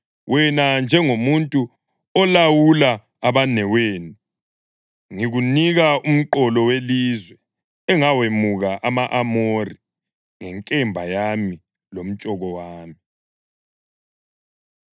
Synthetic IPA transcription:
wɛnand͡ʒʱɛŋomuntʼu | ɔlawulaː | βanɛweːnu | ŋiɣuniɣaum̩ǃɔlɔwelizwɛ | ɛŋawemuɣaʔamaʔamori | ŋɛŋkʼɛmbʱajami | lom̩t͡ʃʼɔɣɔwaːmi

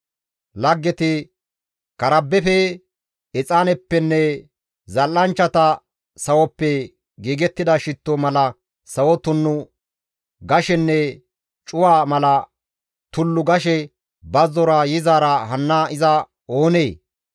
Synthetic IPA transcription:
lɐɡːɛt̪ɪ | kɐɾɐbːɛfɛ | ɪt͡sʼaːnɛpːɛnːɛ | zɐlːɐnt͡ʃːɐt̪ɐ | sɐwɔpːɛ | ɡiːɡɛt̪ːɪd̪ɐʃɪt̪ːɔmɐlɐ | sɐwɔt̪ʊnːʊ | ɡɐʃɛnːɛ | t͡ʃʼʊwaːmɐlɐ | t̪ʊlːʊɡɐʃɛ | bɐzɔɾajɪzaːɾɐhɐnːaʔɪzɐ | oːneː

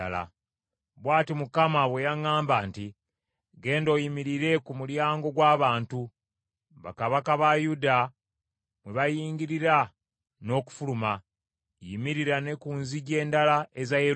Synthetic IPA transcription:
ala̰ | βwaːtimukamaβwe̞jaŋaːmbaːnti | ɡe̞ːndo̞jimiɾiɾe̞kumuljaːŋɡo̞ɡwaːβaːntu | βa̰kaβakaβajuda | mweβajiːŋɡiɾiɾa | no̞ːku̥fuluma | jimiɾiɾane̞kuːnziɟe̞ːndalaezaje

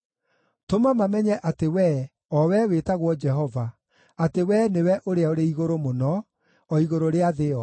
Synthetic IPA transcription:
tomamamɛɲɛʔatewɛ | ɔwɛwetaɣwɔd͡ʒɛɦɔva | atewɛnewɛʔoɾeaoɾeiɣoɾomonɔː | iɣoɾoɾeaðeɔ

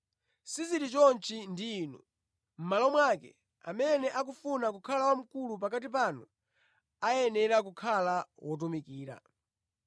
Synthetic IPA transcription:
siziɾit͡ʃɔnt͡ʃʰindiːnṵ | m̩malɔmwakɛ̰ | a̰mɛnɛʔak̬ufunak̬ukʰalawam̩kulup̬akat̬ip̬anu | ajɛnɛɾak̬ukʰalawʔɔt̬ɔmikiːɾa̰

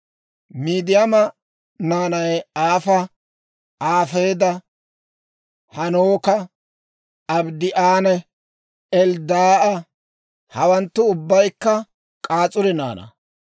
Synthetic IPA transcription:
miːd̪ɪjɐmɐ | naːnɐjaːfɐ | aːfeːd̪ɐ | hɐnoːkɐ | ɐbd̪ɪʔaːnɛ | ɛld̪aːʔɐ | hɐwɐnt̪ːʊʊbːɐjkːɐ | kʼaːt͡sʼʊɾɛna̰ːnɐ̰

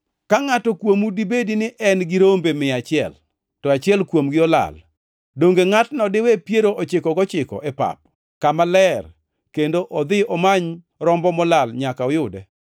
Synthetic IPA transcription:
kaŋatɔkwomudibedinɪʔɛnɡɪɾombemɪat͡ʃɪɛ̰l | tɔat͡ʃɪɛlkwomɡɪɔla̰l | doŋɡeŋatnɔdɪwepjeɾoʔɔt͡ʃɪkɔɡɔt͡ʃɪkɔ̰ʔepa̰p̚ | kamalɛr | kendoʔɔd̪ɪɔmaɲ | ɾɔmbɔmɔlalɲakaɔjʊdɛ

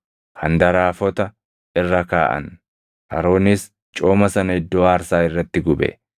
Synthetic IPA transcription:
hɐnd̪ɐɾaːfɔt̪ɐ | ɪrːɐkaːʔɐ̰n | ʔɐ̰ɾo̞ːnis | t͡ʃʼo̞ːmɐsɐnɐhɪd̪ːoːaːɾsaːɪrːɐt̪ːɪɡʊbɛ̰

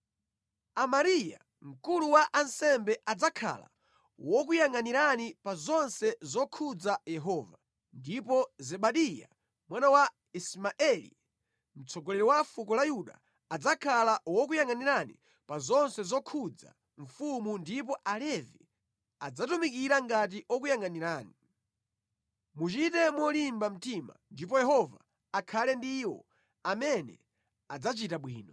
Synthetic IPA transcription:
amaɾija̰ | m̩kuluwaʔansɛmbɛʔad͡zakʰa̰la̰ | wɔk̬ujaŋaniɾanipazɔnsɛzɔkʰud͡zajɛɦɔːva | ndipɔzɛɓaɗija̰ | mwanawa | ismaʔɛlḭ | m̩t͡sʰɔɡɔlɛɾɔwafukɔlajuɗa̰ | ad͡zakʰalawɔk̬ujaŋaniɾanḭ | pazɔnsɛzɔkʰud͡za̰ | ɱfumundip̬ɔʔalɛvḭ | ad͡zatumikiɾaŋɡat̬iʔɔk̬ujaŋaniɾaːni | mut͡ʃitɛmwɔlimbam̩tima̰ndip̬ɔjɛɦɔva̰ː | kʰalɛndiwɔ̰ | amɛnɛ̰ | ad͡zat͡ʃitaɓwiːnɔ

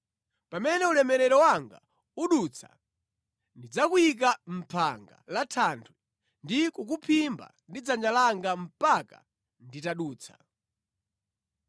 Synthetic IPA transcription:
pamɛnɛulɛmɛɾɛɾɔwaŋɡa̰ | uɗut͡sʰa̰ | ndid͡zakuik̬am̩pʰaŋɡa̰latʰantʰwi | ndikuk̬upʰimba̰ndid͡zand͡ʒalaŋɡam̩paka̰ | nditaɗuːt͡sʰḁ̰

